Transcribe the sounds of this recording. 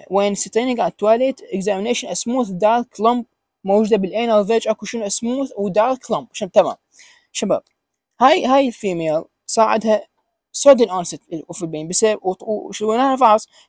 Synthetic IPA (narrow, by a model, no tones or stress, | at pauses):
weːnsɪt̪ˤeːniɡaʕd̪̚t̪ːwaːlet̪ɪɡzaːmɪneːʃɪnʔasmuːθd̪aːɾklɑmb̚ | mowd͡ʒud̪abɪlʔeːnalved͡ʒʔakuʃɪnuʔasmuːθwd̪aːɾklʊmbʕaʃaːnt̪ama̰ːm | ʃaba̰ːb̥̚ | haːjɦaːjɪlfiːmeːl | sˤaːʕɪd̪ha | sod̪ɪnʔonsɪt̪filbeːnbɪsaʃɪwenaːhafɑħɑsˤ